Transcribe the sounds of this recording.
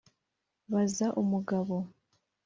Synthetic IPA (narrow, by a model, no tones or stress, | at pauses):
βazaʔumuɡaβo